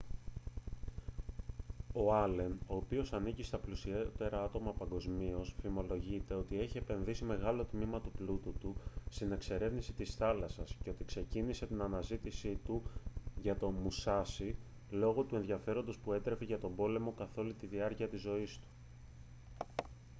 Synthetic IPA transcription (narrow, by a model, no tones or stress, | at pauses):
o̞ɐle̞no̞ːpio̞sɐnicist̪ɐplusiet̪e̞ɾɐɐt̪o̞mɐpɐŋɡo̞zmio̞sfimo̞lo̞ʝit̪e̞o̞t̪ie̞çie̞pe̞nðisime̞ɣɐlo̞t̪mimɐt̪uplut̪ut̪ust̪ine̞kse̞ɾe̞vnisi̥t̪isθɐlɐsɐsce̞o̞t̪ikse̞cinise̞t̪inɐnɐzit̪isit̪uʝɐt̪o̞musɐsi | lo̞ɣo̞t̪ue̞nðʝɐfe̞ɾo̞nd̪o̞spue̞t̪ɾe̞feʝɐt̪obo̞le̞mo̞kɐθo̞lit̪iðiɐɾciɐt̪izo̞ist̪u̥